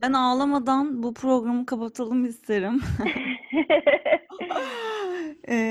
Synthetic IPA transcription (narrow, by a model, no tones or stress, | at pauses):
bænaːlˠamad̪anbupʰɾo̞ɡɾamɯkʰapat̪ʰalˠɯmist̪ʰe̞ɾim | ɛ